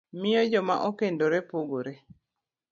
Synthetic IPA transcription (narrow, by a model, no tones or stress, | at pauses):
mɪjɔd͡ʒɔma̰ʔokendoɾepoɡoɾe